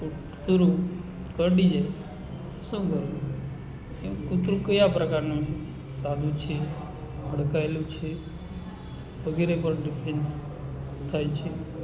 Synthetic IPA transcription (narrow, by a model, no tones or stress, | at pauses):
kuʈ | t̪ɾũ | kəɽid͡ʒaj | t̪əsũkəɾu | ekut̪ɾũkəjapɾəkaɾnũ | sad̪ũt͡ʃʰe | ɦəɽkajlũt͡ʃʰe | ʋəɡiɾepəɾɖɪpʰɾens | t̪ʰajt͡ʃʰe